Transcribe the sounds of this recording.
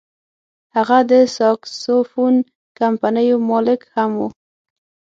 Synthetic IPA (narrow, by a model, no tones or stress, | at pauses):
haɣad̪əsɑksofun | kampanəjomɑlɪkhamwu